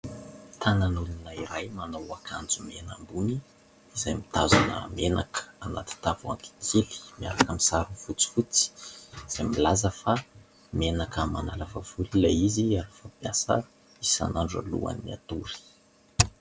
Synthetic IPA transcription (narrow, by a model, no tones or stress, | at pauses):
t̪ʰananulunaiɾajmanawakʰand͡zumena̰mbuniː | zajmit̪azanə̰menakə̥ana̰t̪i̥t̪avua̰ŋk̪i̥kʰeli̥mia̰ɾakəmisaɾunfut͡si̥fut͡si̥z̥ajmilazəfa | mienakəmanalavavulilaiziaɾafapjasə̰ | isa̰naɳɖ͡ʐa̰lṵa̰niːia̰t̪uɾi̥